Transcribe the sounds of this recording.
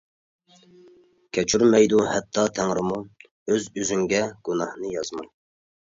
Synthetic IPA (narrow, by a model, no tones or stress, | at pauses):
kʲʰɛt͡ʃʰyɾmɛjd̪uhɛt̪ʰːɑt̪ʰæŋɾɪmu | øzyzyŋɡʲɛɡ̥unɑhnɨjɑzmɑj